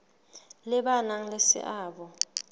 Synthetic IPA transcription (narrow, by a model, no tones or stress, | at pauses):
lɪɓanaŋlesɪ̰ʔaːɓɔ